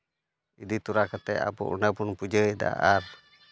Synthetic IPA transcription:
idit̪uɾakat̪ɛa̰pṵʔṵnapunpud͡ʒəida̰ar

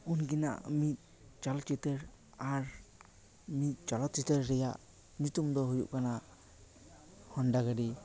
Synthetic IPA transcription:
unkina̰ʔə̰mit̪̚ˀ | t͡ʃɔlɔt̪̚t͡ʃit̪əɾ | aɾ | mit̪̚ˀt͡ʃɔlɔt̪̚t͡ʃit̪əɾːɛjaʔ | ɲut̪umd̪ɔɦujṵʔkana | hɔɳɖaɡəɖi

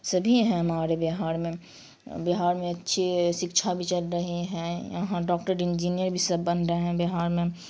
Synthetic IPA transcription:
sɐbʱiɦɛ̃ɐmaːɾebeɦaːɾmẽ | bɪɦaːɾmẽɐtːʃʰiʃɪkʃʰabʱit͡ʃɐlɾɐɦiɦɛ̃jɐ̰ɦãɖɔːkʈəɾɪ̃nd͡ʒiːnijəɾbʱisəbːə̃nd̪ɾəɦɛ̃bɪɦaːɾmẽ

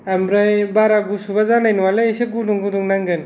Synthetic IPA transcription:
amɾajbaɾaɡusubazanajnuwaleeseɡuduŋɡuduŋnaŋɡɯn

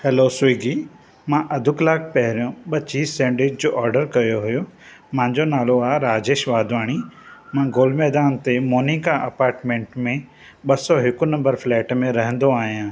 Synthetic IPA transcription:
hɛloswiːɡi | mãːʔɐd̪ʱʊklaːk̚ʰpɐɦɪɾijõɓɐt͡ɕiːsːɛ̃ːɳɖɪd͡ʑd͡ʑoːʔɔːɾɖəɾkɐjoɦʊjo | mãːɲd͡ʑonaːloaːɾaːd͡ʑeːʃʋaːd̪ʋaːɽ̃imãɡoːlmɛːd̪aːnt̪emoːnikaʔɐpaːɾʈmẽːɳʈmẽ | ɓɐsɔɦɪkunɐ̃mbəɾflɛːʈmẽɾɐɦə̃nd̪oaːɦijãː

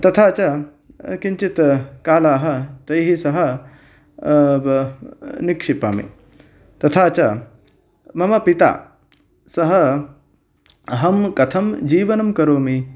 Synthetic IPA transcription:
t̪ɐt̪ʰaːt͡ʃɐ | kiɲt͡ʃit̪kaːlaːɦɐt̪ɐjɦisɐɦɐ | nikʂipa̰ːmḭ | t̪ɐt̪ʰaːt͡ʃɐ | mɐmɐpit̪a̰ː | sɐɦɐ | ɦɐmkɐt̪ʰɐmd͡ʒiːʋɐnɐmkɐɾoːmi

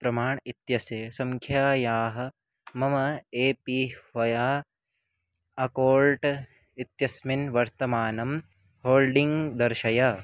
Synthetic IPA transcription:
pɾɐmaːɳit̪jɐsjɐsɐŋkʰjaːjaːɦɐ̆ | mɐmɐeːpiːʋɐjaː | ɐkoːlʈ | it̪jɐsminʋɐɾt̪ɐmaːnɐm | hoːlɖiŋɡd̪ɐɾʃɐjaː

